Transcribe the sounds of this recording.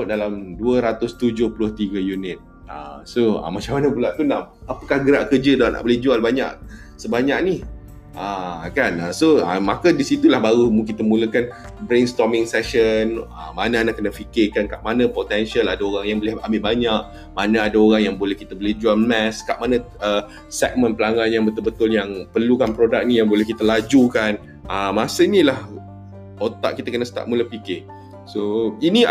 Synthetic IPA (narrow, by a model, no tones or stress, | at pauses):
dalamduəɾat̪ʊst̪ud͡ʒʊhpulʊht̪iɡəjunɪt̪̚ | a̰soa̰mat͡ʃaŋmanəbulaʔt̪unam | apəkahɡəɾaʔkəd͡ʒədaʔna̰ʔbolɛhd͡ʒualbaɲa̰ʔ | səbaɲaʔ̚ni | ʔakanasoa̰makadisit̪ulahbaɾumukit̪əmũləkan | bɾenst̪ɔmɪŋsɛʃənəmanãanaʔkənafikɪrkankaʔmanə̃pot̪ɛnʃaladaoɾaŋjaŋbəlɛhambɪʔbaɲak̚ | manãadaoɾaŋjaŋbolɛhkit̪əbəlɛd͡ʒuanmɛskaʔ̚manə̃ | ə | sɛ̰k̚mə̃npəlaŋanjabət̪ʊlbət̪ʊljaŋpərlukanpɾodak̚nĩjaŋbolɛhkit̪əlad͡ʒukan | ʔəmãsəinilah | ot̪a̰ʔkit̪akənəsə̥t̪a̰ʔmũləpikɪ | soini